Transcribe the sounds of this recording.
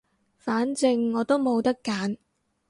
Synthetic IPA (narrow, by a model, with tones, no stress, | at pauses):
faː˨˥nt͡sɪ˧ŋːɔː˨˧t̪o˥wmo˨˧wt̪ɐ˥kːaː˨˥n